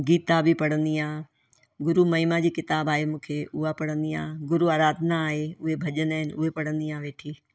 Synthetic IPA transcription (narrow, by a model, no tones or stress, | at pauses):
ɡiːt̪abʱipɐɽ̤ə̃nd̪iaː | ɡʊɾumɐɦimad͡ʑiːkɪt̪aːbaːɦemũːkʰeʊɦapɐɽ̤ə̃nd̪ia̰ːɡʊɾuaːɾaːd̪ʱnaːɦeʊɦebʱɐʄənaːɪnɪʔʊɦepɐɽə̃nd̪iãːʋeːʈʰiː